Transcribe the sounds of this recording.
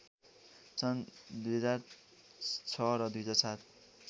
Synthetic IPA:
sʌnd̪ujɦʌd͡zar | t͡sʰʌɾʌd̪ujɦʌd͡zarsat̪̚ʰ

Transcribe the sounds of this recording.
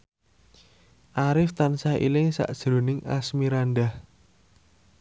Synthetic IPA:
ʔaɾɪft̪ansahḭlɪŋsa̰ʔd̥ʒ̥ɾo̤nɪŋa̰smiɾanɖah

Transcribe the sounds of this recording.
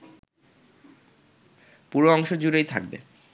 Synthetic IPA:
puɾoɔŋʃod͡ʑuɾejt̪ʰa̰k̚bḛ

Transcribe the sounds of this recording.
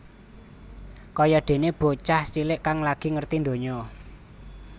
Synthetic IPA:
kɔjɔd̪̥e̤neb̥o̤t͡ʃahst͡ʃilɪʔkaŋlaɡ̥i̤ŋərt̪ind̪o̤ɲɔ

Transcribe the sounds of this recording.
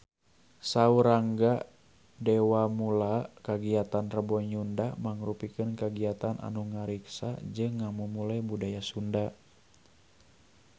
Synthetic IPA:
sauɾaŋɡa | dɛwamulakaɡiat̪anrəbɔɲundamaŋɾupikɨnkaɡiat̪anʔa̰nuŋaɾiksa̰d͡ʒɨŋːamumulajbudajasunda

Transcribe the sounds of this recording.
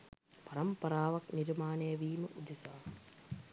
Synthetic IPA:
pɐɾɐmpɐɾaːʋɐkniɾmaːnɐjɐʋiːməʔud̪isaː

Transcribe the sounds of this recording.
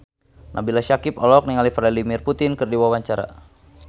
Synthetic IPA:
nʔa̰bilaʃakipɔlɔk̚niŋalifɾɛdimirput̪ɪnkɨrdiwawaɲt͡ʃaɾa̰

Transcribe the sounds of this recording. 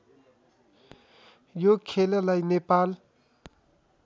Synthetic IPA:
jokʰelʌlajnepal

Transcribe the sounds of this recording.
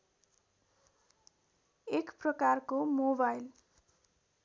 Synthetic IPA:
ekprʌkarkomobajl

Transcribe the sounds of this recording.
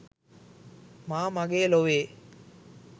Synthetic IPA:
maːmɐɡeːloʋeː

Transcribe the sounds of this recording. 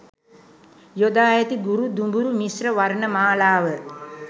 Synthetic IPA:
jod̪aːjət̪iɡuɾud̪umbuɾumisrəʋaɾnəmaːlaːʋə

